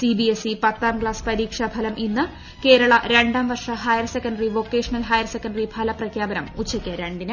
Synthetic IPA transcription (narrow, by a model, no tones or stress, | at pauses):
sibiesipɐt̪ːaːmɡɭaːspɐɾiːkʂɐbʱɐlɐmʔinːɨ | ke̞ːɾɐɭɐɾe̞ɳɖaːmʋɐrʂɐɦɐjɐrsekːɐɳɖɐriʋo̞kːe̞ːʂɐnɐlɦɐjɐrsekːɐɳɖɐribʱɐlɐprɐkʰjaːbɐnɐmut͡ɕʰːɐkʲːɐɾeɳɖinɨ